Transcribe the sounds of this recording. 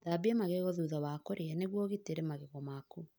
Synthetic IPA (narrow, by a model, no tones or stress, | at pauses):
ðabiɛmaɣeɣɔðuðawakoɾeɛneɣwɔɣiteɾemaɣeɣɔmaku